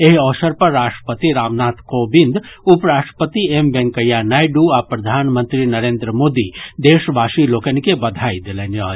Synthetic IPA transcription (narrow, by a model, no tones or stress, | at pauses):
eɦɔːsəɾpɐɾːaːʃʈɾəpət̪iɾaːʋnaːt̪ʰkoːbɪ̃nd̪ʊpɾaːʃʈə̥pət̪iembɛ̃ŋkəjanaːjɖuapɾɐd̪ʱaːnmə̃nt̪ɾinɐɾẽːnd̪ɾəmoːd̪id̪eːʃbaːʃiloːkənkebɐd̪ʱaːid̪eleneɔː